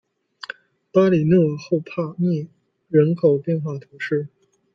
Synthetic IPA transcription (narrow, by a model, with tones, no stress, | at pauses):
pa˥li˨˩nɤ˥˧xo˥˧ʊpʰa˥˧mi˥˩ | ɻə˧˥nkʰo˨˩ʊpjɛ˥˧nxwa˥˩t̪ʰu˧˥ʂɻ̩˥˩